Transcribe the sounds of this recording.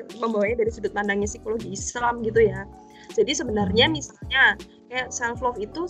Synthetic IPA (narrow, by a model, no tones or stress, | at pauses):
məmbawaɲadaɾisudʊt̪̚pandaŋɲasikoloɡiːslamɡit̪̬uja | d͡ʒadisəbənarɲamisalɲa | kajaʔsalflɔfit̪u